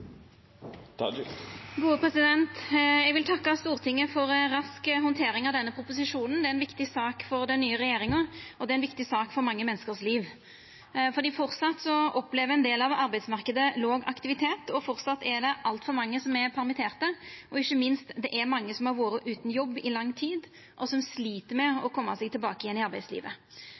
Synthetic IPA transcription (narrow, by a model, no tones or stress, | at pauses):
ɡuːəpʰʁɛsɪd̪ɛnt̪jɛɡʋɪlt̪ʰɑkːɑst̪uːʁt̪ʰɪŋːəfɔɾɾɑskɦɔnt̪ʰeːɾɪŋɑʋd̪ɛnːəpʰɾʊpʊsɪʂuːnn̩d̪ɛæɾɛnʋɪkt̪ɪsɑːkfɔɾd̪ɛnːyːəɾɛjeːɾɪŋəɔd̪ɛæɛnʋɪkt̪ɪsɑːkfɔɾmɑŋːəmɛnːəskəʁsliːʋ | fɔɾd̪iːfɔʁsɑt̪ːsɔɔpleːʋəɾɛnd̪eːlɑʋɑɾbæɪd̪smɑʁkəd̪əloːɡɑkt̪ɪʋɪt̪ʰeːt̪ʰɔfɔɾt̪sɑt̪ːɛɾd̪ɛʔɑlt̪fɔɾmɑŋːəsɔmɛɾpʰæɾmɪt̪ʰeːʁt̪əʔɔɪçːəmɪnst̪d̪ɛʔæɾmɑŋːəsɔmhɑɾʋuːɾəʔʉːt̪n̩jɔbːɪlɑŋːt̪ʰiːd̪ | ʔɔsɔmsliːt̪əɾmɛɔkʰɔmːɑsɛɡt̪ɪlbɑːkəɪjɛnːɪɑɾbæɪslḭːʋə